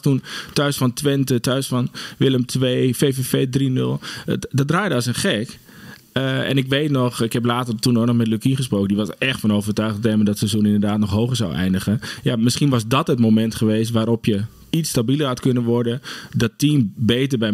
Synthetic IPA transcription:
tuntœɥsfɔntʋɪntətœɥsfɔnʋɪləmtʰʋeːfefefeːdrinølˠdɔdraːjdəɑsənχɛk | ɛ̰nɪkʋeːtnɔxɪkhɛplaːtərtunonɔχmɛtlykinχəsproːkəndiʋɔsɛxtfɔnowvərtœɥχtteːmədɔtsəzunɪndərdaːtnɔχɦowχəɹzawɛ̰jndəχənjamɪsχinʋɔsdɔtɦətmomɛntχəʋeːstʋaːɾɔpjə | itstabilˠərɦatkønənʋɔɹdədɔtiːnbeːtərbɛ

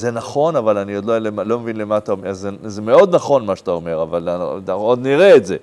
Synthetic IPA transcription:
zenaχo̞navalaniodlolemalo̞mevinlemat̪amazezemeo̞d̪naχo̞nmaʃt̪aome̞ʁavalod̪niʁeːtze

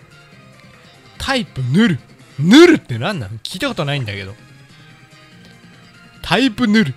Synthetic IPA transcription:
t̪ʰaipɯ̟nɯɾɯ̟ | nɯɾɯ̟t̪ːe̞nãnːã̰kʲʰiːt̪ako̞t̪onaĩnd̪ake̞d̪o̞̰ | t̪ʰaipɯ̟nɯɾɯ̟

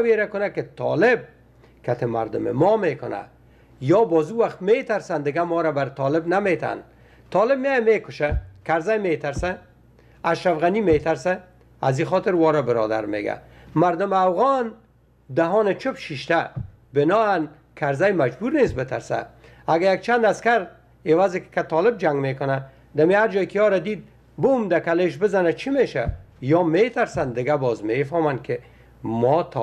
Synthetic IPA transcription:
weɾakʊnakɪt̪ʰɔ̰lɪb̚ | kat̪ʰɪma̰ɾd̪ʊmɪ̰mɔmekʊna̰ | jɔbɔːzuwaχt̪met̪aɾsand̪ɪɡamɔːɾabaɾt̪ɔlɪbnamet̪a̰n | t̪ɒːlɪb̚mjejamekʊʃakaɾzajmet̪aɾsa | aʃɾafɣanimet̪aɾsa | aziχɔt̪ɪɾwɒːɾabɪɾɔ̰d̪a̰ɾmḛɡa̰maɾd̪ʊmafɣɔn | d̪aɦɔːnɪt͡ʃʊpʃiʃt̪a | bɪnɔːan | kʰaɾzajmad͡ʒbuɾnesbɪt̪aɾsa̰ | aɡajak̚t͡ʃand̪askaɾ | ɪwazɪkkat̪ɒːlɪb̚d͡ʒaŋɡmekʊna | d̪amihaɾd͡ʒɔːjkɪjɒːɾad̪iːd̪̚ | bumd̪akaleʃbɪzanat͡ʃʰimeʃa̰jɔːmet̪aɾsand̪ɪɡabɔːzmefɔmankʰɪ | mɔt̪ʰ

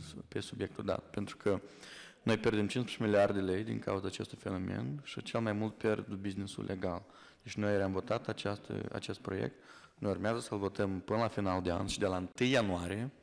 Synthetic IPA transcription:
pe̞subje̞k̚t̪uld̪a̰t̪pe̞nt̪ɾu̥kʰə | no̞jpjerd̪emt͡ʃinspɾit͡ʃemiliard̪d̪ele̞jd̪ḭŋkʰa̰uzaːt͡ʃe̞st̪ujfe̞no̞me̞̰nʃit͡ʃe̞lmajmult̪̚pʲjerd̪ubiznesṵlʔe̞ɡal | d̪et͡ʃʲno̞jeɾeamvo̞t̪at̪at͡ʃast̪ə̰a̰t͡ʃe̞st̪̚pɾo̞jḛk̚t̪ | nojurmeazəsəlvo̞t̪əmpɨnəlafinald̪e̞a̰nʲʃid̪e̞laɨnt̪ɨjːanuaɾije̞

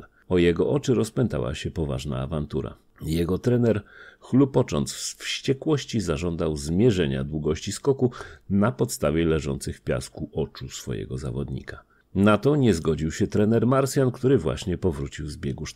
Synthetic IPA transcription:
ɔjɛɡɔʔɔt͡ʂɘɾɔspɛnt̪a̰wa̰ɕɛpɔva̰ʐna̰ːvant̪uɾa̰ | jɛɡɔt̪ɾɛnɛɾxlupɔt͡ʂɔ̰nt̪ssfɕt͡ɕɛkwɔɕt͡ɕizaʐɔnd̪awzmʲjɛʐɛɲa̰d̪wuɡɔɕt͡ɕiskɔkunapɔt̪st̪avʲjɛlɛʐɔnt̪sɘxfpʲja̰skuʔɔt͡ʂusfɔ̰jɛ̰ɡɔza̰vɔd̪ɲḭka | nat̪ɔɲɛzɡɔd͡ʑiwɕɛt̪ɾɛnɛɾmaɾsʲjankt̪uɾɘvwa̰ɕɲɛpɔvɾut͡ɕiwzbʲjɛɡuʂ

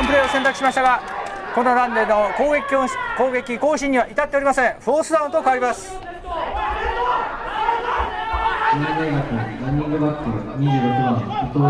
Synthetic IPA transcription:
õmpɯɾe̞ːosẽ̞nt̪akɯ̟ɕimaɕi̥t̪aɡa | ko̞nonãnd̪eno̞koːɡekʲoko̞ːɡe̞kʲiko̞ːɕĩɲ̟ːiβaʔit̪at̪ːeoɾʲimasẽ̞ɰ̃ɸoːsɨd̪ãɯ̃nt̪o̞kaβaɾʲimasɨ̥ | sononenakɯnãnːõɡebat̪ːeɲid͡ʑiɾokɯmãot̪o

